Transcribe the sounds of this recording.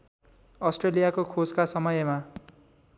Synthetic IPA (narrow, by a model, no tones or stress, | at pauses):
ʌsʈrelijakokʰod͡zkasʌmʌjema